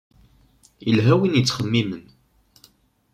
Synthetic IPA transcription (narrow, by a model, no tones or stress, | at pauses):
jəlɦæwinjət͡sːχəmːimən